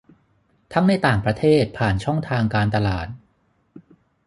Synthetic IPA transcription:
t̪ʰa˦˥ŋna˧jt̪aː˨˩ŋpɾa˧t̪ʰeː˥˩t̪̚pʰaː˨˩nt͡ɕʰɔ˥˩ŋt̪ʰaː˧ŋkaː˧nt̪a˧laː˨˩t̪̚

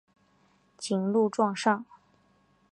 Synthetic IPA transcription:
t͡ɕi˨˩ŋlu˥˧ʈ͡ʂwɑ˥˧ŋʂɑ˥˩ŋ

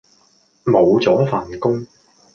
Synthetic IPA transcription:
mo˨˧wt͡sɔː˨˥faː˨nkʊ˥ŋ

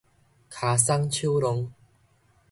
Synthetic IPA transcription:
kʰa˨˦sa˦ŋt͡ɕʰju˦lʊ˧ŋ

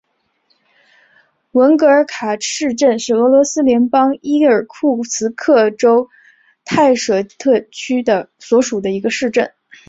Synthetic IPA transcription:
wə˧˥nkɤ˧˥ə˞˧˥kʰa˨˩ʂɻ̩˥˧ʈ͡ʂə˥˧nʂɻ̩˥˩ɤ˧˥lwɔ˧˥sɹ̩˥ljɛ˧˥npɑ˥ŋi˥ə˞˨˩kʰu˥˩t͡sʰɹ̩˧˥kʰɤ˥˩ʈ͡ʂo˥ʊ | t̪ʰa˥˩ɪʂɤ˨˩t̪ʰɤ˥˧t͡ɕʰy˥d̪ə˧swɔ˧˥ʂu˨˩d̪ə˦i˧˥ɡə˧ʂɻ̩˥˧ʈ͡ʂə˥˩n

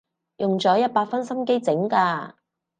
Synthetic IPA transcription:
jʊ˨ŋt͡sɔː˨˥jɐ˥t̚paː˧t̚fɐ˥nsɐ˥mke˥jt͡sɪ˨˥ŋkaː˧

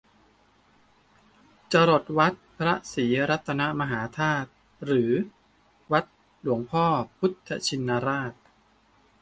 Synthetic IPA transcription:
t͡ɕa˧ɾo˨˩t̪̚wa˦˥t̪̚pʰɾa˦˥ʔsiː˩˦ɾa˦˥t̪ʰːa˧na˦˥ʔma˧ɦaː˩˦t̪ʰaː˥˩t̪̚ | ɾɯː˩˦ | wa˦˥t̪̚ | lu˨˩˦əŋpʰɔː˥˩pʰu˦˥t̪ʰːa̰˧t͡ɕʰi˧nːa˧ɾaː˥˩t̪̚

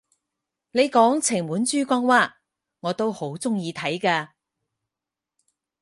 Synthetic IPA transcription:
ne˨˧jkɔː˨˥ŋt͡sʰɪ˨˩ŋmuː˨˥nt͡ʃyː˥kʷɔː˧ŋwaː˧˥ | ŋɔː˨˧t̪o˥who˨˥wt͡sʊ˥ŋjiː˧t̪ʰɐ˨˥jkaː˧

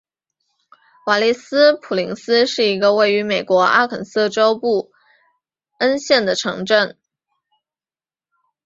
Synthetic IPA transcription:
wa˨˩li˥˩sɹ̩˥pʰu˨˩li˧˥ŋsɹ̩˥ʂɻ̩˥˩i˧˥ɡə˧we˥˩ɪy˧˥me˨˩ɪkwɔ˧˥a̰˥kʰə˨˩ns̩˥˩ʈ͡ʂo˥ʊpu˥˩ | ə˥nɕjɛ˥˩nd̪ə˩ʈ͡ʂʰɤ̰˧˥ŋʈ͡ʂə˥˩n

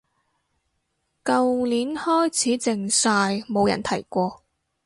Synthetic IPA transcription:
kɐ˧wliː˨˥nhɔː˥jt͡sʰiː˨˥t͡sɪ˨ŋsaː˧jmo˨˧wjɐ̰˨˩nt̪ʰɐ˨˩jkʷɔː˧

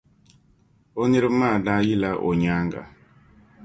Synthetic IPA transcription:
o˦ni˦ɾma˦˨da˦ji˦la˦ʔo˨ɲa˦ŋɡa̰˨

